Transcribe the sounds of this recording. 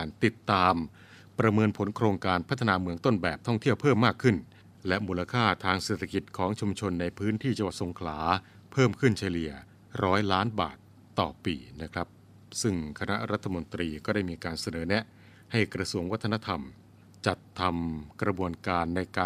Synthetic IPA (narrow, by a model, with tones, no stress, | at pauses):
nt̪i˨˩t̪ːaː˧m | pɾa˧mɤː˧npʰo˩˦nkʰɾoː˧ŋkaː˧npʰa˦˥t̪ʰːa˧naː˧mɯ˧əŋt̪o˥˩nbɛː˨˩p̚t̪ʰɔ˥˩ŋt̪ʰi˥˩əwpʰɤː˥˩mːaː˥˩kʰːɯ˥˩n | lɛ˦˥ʔmuː˧la˧kʰaː˥˩t̪ʰaː˧ŋseː˨˩t̪ʰa˧ki˨˩t̪̚kʰɔː˩˦ŋt͡ɕʰu˧mt͡ɕʰo˧nːa˧jpʰɯː˦˥nt̪ʰiː˥˩t͡ɕa˧ŋwa˨˩so˨˦ŋkʰlaː˩˦ | pʰɤː˥˩mkʰɯ˥˩nt͡ɕʰa˧li˨˩ə | ɾɔː˦˥jlaː˦˥nba̰ː˨˩t̪ːɔː˨˩pḭː˨˧na˦˥kʰɾa˦˥p̚ | sɯ˥˩ŋkʰa˧na˦˥ɾa˦˥t̪ʰːa˧mo˧nt̪ɾiː˧kɔː˥˩da˥˩jmiː˧kaː˧nsa˧nɤː˩˦nɛ˦˥ʔ | ha˥˩jkɾa˧su˧əŋwa˦˥t̪ʰːna˥t̪ʰa˧m | t͡ɕa˨˩t̪ʰːa˧mkɾa˧bu˧ənkaː˧nːa˧jkaː˧